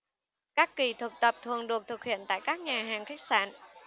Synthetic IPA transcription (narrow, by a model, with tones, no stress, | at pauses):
kaː˦˥kːi˧˩t̪ʰɨ˨˩k̚t̪ə˨˩p̚t̪ʰə̰˨˩əŋɗɨ˨˩ək̚t̪ʰɨ˨˩k̚hḭ˧˨ənt̪a̰ː˧˨jkaː˦˥k̚ɲaː˨˩ɦaː˨˩ŋxe˦˥k̚sa̰ː˧˥n